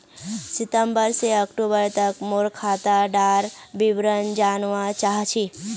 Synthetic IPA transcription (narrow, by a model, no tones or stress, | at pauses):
sɪt̪əmbəɾseəkʈubəɾt̪əkmoɾkʰaːt̪aɖaːɾbiʋɾənd͡ʒaːnʋat͡ʃaɦt͡ʃʰi